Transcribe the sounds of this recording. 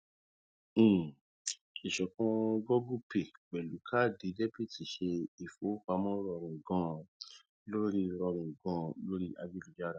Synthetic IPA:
i˨ʃɔ˨kɔ̃˧ɡɔ˦ɡu˦˨pe˨ɡ͡bɛ˨lu˨˦kʰa˦di˨˦dɛ˦pi˦˨ti˨ʃe˧i˨fo˨˦fa˧˦mɔ̃˦ɾɔ˧ɾũ˨ɡɔ̃˦ | lo˦ɾi˦ɾɔ˧ɾ̃ũ˨ɡɔ̃˧˦lo˦ɾi˦ʔa˧d͡ʒi˦lu˨˦d͡ʒa˦ɾa˨

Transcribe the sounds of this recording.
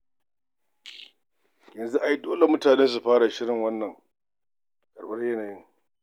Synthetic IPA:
jɐ˨nzu˦ʔa˨ji˦doː˦le˨mʊ˦taː˨neː˦ns̬u˨ɸaː˦ɽa˨ʃɪ˦ɽɪ˨ŋwɐ˦nːɐ˨ŋ | kʼɐ˨ɽɓɐ˦rjɐ˦naː˨jɪ˦ŋ

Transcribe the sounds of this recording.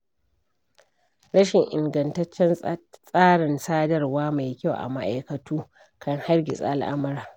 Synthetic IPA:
ɽɐ˦ʃɪ˨ŋʔɪ̰˨ŋɡɐ˨ntɐ˦t͡ʃːɛ˦nsʼaː˦ɽɪ˨nsaː˦dɐ˦rwaː˦ma˨jkʲa˦˨wʔa̰˨ma˦ʔa˨jkɐ˨tʰuː˦ | kʰɐ˦ŋha˦rɡʲɪ˨sʼa̰˦ʔa˦lʔa̰˦mɐ˦ɾaː˨

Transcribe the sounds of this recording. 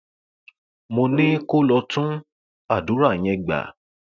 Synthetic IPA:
mo˧nĩ˦ko˦lɔ˧tũ˦ | a˦˨du˨˦ɾa˦˨j̃ɛ̃˧ɡ͡ba̰˨˦

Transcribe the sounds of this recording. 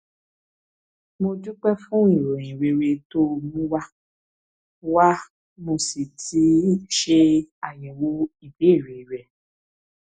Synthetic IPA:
mo˧d͡ʒu˦k͡pɛ˦fũ˦i˦˨ɾo˨j̃ĩ˨ɾe˧ɾe˧to˦˧nũ˦wa˦ | wa˦ | mo˧si˨tʰi˨˦ʃe˧a˨jɛ˨wo˨˦i˦˨be˨˦i˦˨ɾe˨ɾɛ˨

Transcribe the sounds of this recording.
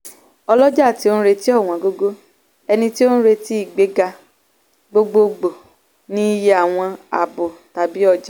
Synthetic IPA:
ɔ˧lɔ˦d͡ʒa˦˨ti˨˦o˦ñ̩˦ɾe˧ti˦ɔ˦˨w̃ɔ̃˨ɡo˧ɡo˦ | ɛ˧nĩ˧ti˦o˦n̩˦ɾe˧ti˦i˦˨ɡ͡be˦ɡa˧ | ɡ͡bo˧ɡ͡bo˧ɡ͡bo˨ | nĩ˦je˦a˦˨w̃ɔ̃˧a̰˨bo˨ta˨bi˦ɔ˦˨d͡ʒa˨

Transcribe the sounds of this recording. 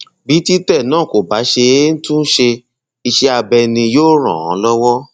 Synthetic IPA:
bi˨˦ti˦tɛ˦˨nãː˦˨ko˨ba˨˦ʃe˧e˦n̩˦tũ˦ʃe˧ | i˧ʃe˦a˧bɛ˧nĩ˧joː˦˨ɾ̃ã̰˨ɔ̰̃˨˦lɔ˦wɔ˦

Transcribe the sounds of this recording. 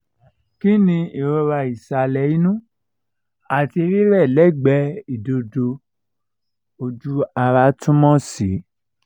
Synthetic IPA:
ki˦nĩ˧i˨ɾɔ˧ɾa˧i˨sa˨lɛ˨i˦nũ˦ | a˨ti˧ɾi˦ɾɛ˦˨lɛ˦˨ɡ͡bɛ˧˦i˦˨do˧do˧ | o˧d͡ʒu˦a˧ɾa˧˦tũ˦mɔ̃˦si˨˦

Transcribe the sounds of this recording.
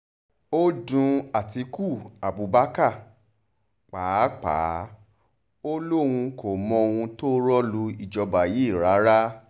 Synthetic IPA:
o˦dũ˧a˨ti˧ku˦˨a˨bu˨˦ba˦ka˦˨ | k͡paː˨˦k͡pa̰ː˨˦ | o˦lo˦wũ˧ko˨mɔ̃˧o˧wũ˧to˦ɾɔ˦lu˧i˨d͡ʒɔ˧ba˨ji˨˦˨ɾa˨˦ɾa˦

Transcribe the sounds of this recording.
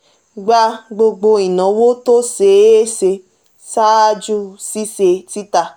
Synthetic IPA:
ɡ͡ba˧ɡ͡bo˧ɡ͡bo˧i˨nɔ̃˨˦wo˦to˦se˨˦e˦se˧ | sa˦d͡ʒu˦si˦se˧ti˦ta˧˨

